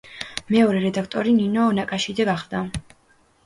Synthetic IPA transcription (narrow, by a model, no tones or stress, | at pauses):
mɛɔɾɛɾɛd̪akʰt̪ʼɔɾininɔːnakʼaʃid̪zɛɡaχd̪a